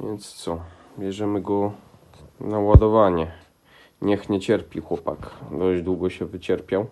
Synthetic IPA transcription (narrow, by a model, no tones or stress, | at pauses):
vjɛnt̪st̪sɔ | bʲjɛʐɛmɘɡɔ | nawad̪ɔvaɲɛ | ɲɛxɲɛt͡ɕɛɾpʲixwɔpakd̪ɔʑd͡ʑd̪wuɡɔɕɛvɘt͡ɕɛɾpʲjaw